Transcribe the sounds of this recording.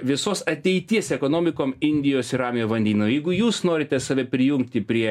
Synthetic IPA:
ʋʲɪsoːsɐt̪ʲɛɪt̪ʲiɛsɛkoːnoːmʲɪkoːmɪnʲd̪ʲɪjoːsɪɾɑːmʲɪjoːʋɐnʲd̪ʲiːnoːjɛɪɡʊjuːsnoːɾʲɪt̪ʲɛsɐʋʲɛpʲɾʲɪjʊŋk̚t̪ʲɪpʲɾʲiɛ

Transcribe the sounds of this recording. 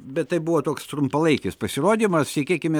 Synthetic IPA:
bʲɛt̪t̪ɐɪbuʋoːt̪oːkst̪ɾʊmpɐlˠɐɪkʲɪspɐsʲɪroːd̪ʲimɐssʲɛkʲeːkʲɪmʲe

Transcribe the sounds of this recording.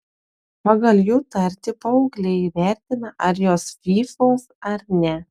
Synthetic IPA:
pɐɡɐlʲˠjuːt̪ɐɾʲt̪ʲɪpɐʊːɡlʲɛiʋʲæˑɾʲt̪ʲɪnɐʔɐɾjoːsfʲiːfoːsɐɾnʲɛ

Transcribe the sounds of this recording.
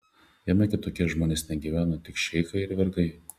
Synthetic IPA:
jɛmʲɛkʲɪt̪oːkʲiɛʒmoːnʲeːsnʲɛɡʲiːʋʲæːnot̪ʲɪkʃʲɛɪxɐɪɪɾʋʲɛɾɡɐɪ

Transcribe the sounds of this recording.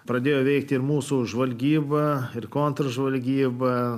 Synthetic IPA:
pɾɐd̪ʲeːjoːʋʲɛɪkt̪ʲɪɾmuːsuʒʋɐlʲɡʲiːbɐɪrkoːnt̪ɾɐʒʋɐlʲɡʲiːbɐ

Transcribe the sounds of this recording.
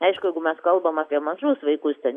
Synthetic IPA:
ɛɪʃkʊjɛɪɡʊmʲɛskɐlˠbɐmɑːpʲiɛmɐʒʊsʋɐɪkʊst̪ʲɛn

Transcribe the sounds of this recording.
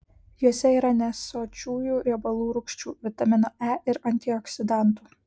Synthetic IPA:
juɔsʲɛiːɾɐnʲɛsoːt͡ʃʲuːjuːɾʲɪbɐlˠuːɾʊkʃʲt͡ʃʲṵːʋʲɪt̪ɐmʲɪnoːæʔɪɾɐnʲt̪ʲɪɔksʲɪd̪ɐˑnˑt̪uː

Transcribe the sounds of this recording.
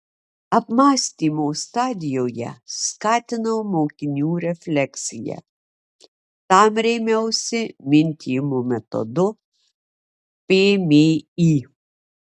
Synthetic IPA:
ɐpmɑːsʲt̪ʲiːmoːst̪ɑːd̪ʲɪjoːjɛ̰skɑːt̪ʲɪnɐmoːkʲɪnʲuːɾʲɛfʲlʲɛksʲɪjɛ̰ | t̪ɑmɾʲɛɪmʲɛʊsʲɪmʲɪnʲt̪ʲʰijɪmoːmʲɛt̪ɔ̰d̪ʊ | pʲeːmʲeːiː

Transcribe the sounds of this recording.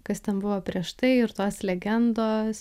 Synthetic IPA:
kɐst̪ʲɛnbʊʋoːpʲɾʲiɛʃt̪ɐɪɪɾt̪oːslʲɛɡʲɛnd̪oːs

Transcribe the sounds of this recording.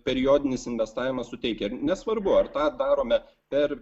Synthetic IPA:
pʲɛɾʲɪjoːd̪ʲɪnʲɪsɪnʲʋʲɛst̪ɑːʋʲɪmɐssʊt̪ʲɛɪkʲɛɪɾnʲɛsʋɐɾbʊɐrt̪ɑːd̪ɑːɾoːmʲɛ | pʲɛr

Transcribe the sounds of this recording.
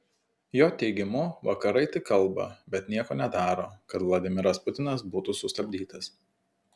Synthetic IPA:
joːt̪ʲɛɪɡʲɪmʊʋɐkɐɾɐɪt̪ʲɪkːɐlˠˑbɐ̰bʲɛt̪nʲiɛkoːnʲɛd̪ɑːɾoːkɐt̪ʋlˠɐd̪ʲɪmʲɪɾɐspʊt̪ʲɪnɐs̬buːt̪usʊst̪ɐbʲd̪ʲiːt̪ɐs

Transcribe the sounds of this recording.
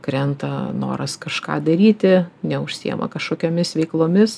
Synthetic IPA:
kɾʲɛnt̪ɐno̰ːɾɐskɐʃkɑ̰ːd̪ɐɾʲiːt̪ʲɪnʲɛʊʃʲsʲḭɛ̰mɐ̰kɐʃkoːkʲoːmʲɪsʋʲɛɪklˠoːmʲɪs

